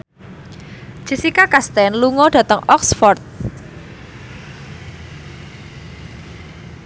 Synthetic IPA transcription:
d͡ʒ̥isikakast̪ɛnluŋɔɖ̥ä̤t̪əŋɔksfɔrt̪̚

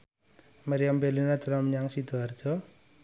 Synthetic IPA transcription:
maɾijambelinad̪uɾamɲaŋsid̪ɔard͡ʒɔ

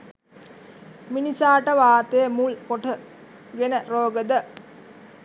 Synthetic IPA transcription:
minisaːʈəʋaːt̪əjəmulkoʈʰə | ɡenəɾoːɡəd̪ə

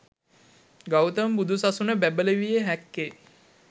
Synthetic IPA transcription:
ɡawt̪əmbud̪usasunəbæbələʋijeɦækːe

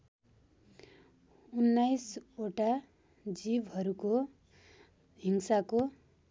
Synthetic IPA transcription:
unːajsoʈa | d͡zibʱɦʌɾuko | ɦiŋsako

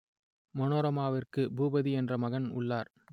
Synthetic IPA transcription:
mɐnoːɾɐmaːʋɪrkɯbuːbɐðiɛndrɐmɐɣɐnʊ̰ɭːaːɾ

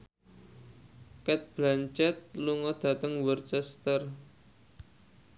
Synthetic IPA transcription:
kɛt̪̚b̥laɲt͡ʃɛt̪̚luŋɔd̪̥ä̤t̪əŋwərt͡ʃɛst̪ər

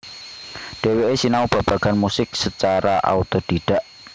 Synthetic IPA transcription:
ɖ̥eweʔesinaub̥ab̥a̤ɡ̥anmusɪk̚sət͡ʃaɾaʔa̰ut̪ɔɖ̪̥iɖ̥a̤ʔ

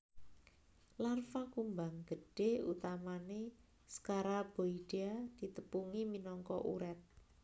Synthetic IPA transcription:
larfakumbaŋɡ̥əɖ̥e̤ṵt̪amane | sə̥kaɾab̥oiɖ̥iad̪̥i̤t̪əpuŋiminɔŋkɔ̰ʔṵɾɛt̪̚

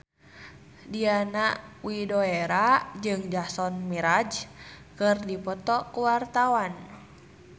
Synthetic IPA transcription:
dianaʔwidoeɾad͡ʒɨŋd͡ʒasɔnmiɾad͡ʒkɨrdipɔt̪ɔkuwart̪awan

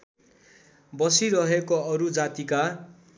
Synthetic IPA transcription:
bʌsiɾʌɦekoʌɾud͡zat̪ika

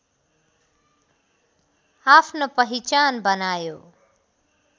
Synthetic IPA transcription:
apʰnopʌɦit͡ʃanbʌnajo

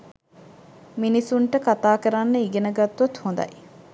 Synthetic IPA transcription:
minisuɳʈəkat̪aːkəɾanːəiɡenəɡat̪ːot̪hond̪a̰j

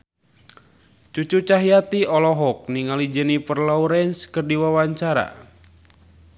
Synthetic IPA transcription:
t͡ʃut͡ʃut͡ʃaɦiat̪iɔlɔɦɔk̚niŋalid͡ʒənipərlɔuɾɛnskərdiwawaɲt͡ʃaɾa̰

